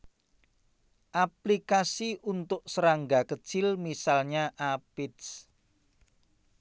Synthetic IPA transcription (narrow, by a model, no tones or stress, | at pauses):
ʔaplikasiʔunt̪ʊʔ̚səɾaŋɡakət͡ʃɪlmisalɲaʔapɪds